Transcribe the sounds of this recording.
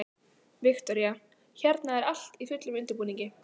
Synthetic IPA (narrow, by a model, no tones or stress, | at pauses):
vɪxt̪ɔɾja | çɛɾt̪naɛɾal̥t̪iθʏt̪lʏmʏnt̪ɪɾpuːniɲcɪ